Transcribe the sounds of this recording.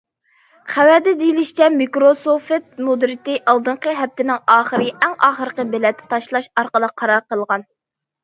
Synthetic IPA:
χæwɛd̪ɛd̪ijlɪʃt͡ʃʰɛmikɾosofet̪̚mud̪ɾɪt̪ɪʔɑlˠd̪ɨɴqəɦɛp̚t̪ɪnɪŋɑːχəɾɨʔɛŋɑːχəɾəqəbɪlɛt̪ʰːɛ̥t̪ʰɑʃlˠɑʃɑɾqəlˠəqʰːɑɾɑɾqəlˠʁɑn

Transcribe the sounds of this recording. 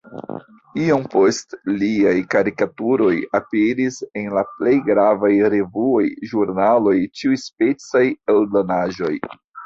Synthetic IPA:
iompo̞stliajkaɾikatuɾo̞japeɾise̞nlaple̞jɡɾavajɾe̞vuojʒuɾnalo̞jt͡ʃiujspe̞t͡sajelblonaʒo̞j

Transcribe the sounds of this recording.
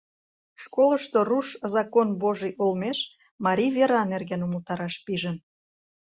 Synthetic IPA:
ʃkoləʃt̪oruʃzɑkonβoʒijʔolmeʃ | mɑɾʲijβeɾɑnerɣɡenuməlt̪ɑɾɑʃpiʒən

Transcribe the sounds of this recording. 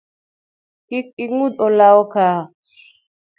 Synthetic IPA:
kik̚iŋud̪olawɔka

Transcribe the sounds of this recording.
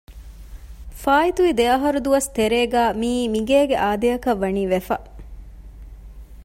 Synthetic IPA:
faːit̪uʋid̪eɐɦɐɾud̪uʋɐst̪eɾeːɡæːmiːmiɡeːɡeʔaːd̪eɐkɐʋːɐniːʋefɐ

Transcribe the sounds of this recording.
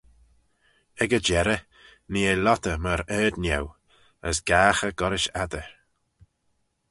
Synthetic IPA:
ɛɡəd͡ʒɛɾə | niːelɔt̪əməɾɛːd̪njɛw | əsɡ̥aːxəɡɔɾɪʃad̪əɹ

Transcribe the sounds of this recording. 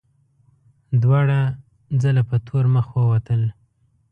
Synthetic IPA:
d̪wɑɽa | d͡zəlapət̪ʰoɾməxwəwat̪əl

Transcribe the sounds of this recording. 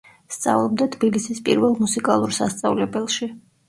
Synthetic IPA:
st̪sʼa̰vlˠɔb̚d̪at̪ʰb̥ilisispʼḭɾvɛlˠmusikʼalˠuɾsast̪sʼa̰vlɛbɛlˠʃi

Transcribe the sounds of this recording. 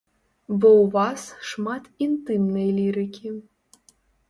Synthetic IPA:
bɨuvɑsʃmɑt̪int̪ɨmnejlʲiɾɨkʲʰi

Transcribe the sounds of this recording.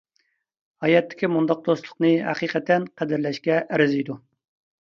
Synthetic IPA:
hɑjɛt̪ʰːɪ̥kʲimund̪ɑq̚d̪oslˠʊqnɨɦæ̰qiːqʰət̪ʰɛnqʰæd̪ɪɾlɛʃkʲɛʔæɾɪzijd̪u

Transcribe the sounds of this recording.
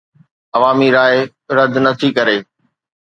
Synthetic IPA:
ɐʋaːmiɾaːɪ | ɾɐd̪ʱnɐt̪ʰikɐɾeː

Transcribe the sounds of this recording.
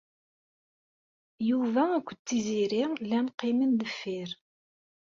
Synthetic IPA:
juvæækʷːət͡s̪ːiziɾilænqimənd̪əfːiɾ

